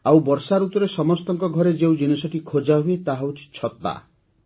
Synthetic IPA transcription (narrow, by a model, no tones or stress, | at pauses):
awbɔɾsaɾut̪ɔɾesɔmɔst̪ɔŋkɔɡʱɔɾed͡ʒeũd͡ʒinisɔʈʰikʰod͡ʒaɦuet̪aɦawʈʰi̥t͡ʃʰɔt̪a̰